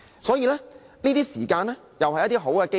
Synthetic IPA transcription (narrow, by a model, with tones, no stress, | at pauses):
sɔː˨˥jiː˨˧lɛː˥ | niː˥t̪iː˥siː˨˩kaː˧nlɛː˥ | jɐ˨whɐ˨jːɐ˥t̪̬iː˥ɦo˨˥wkɛː˧ke˥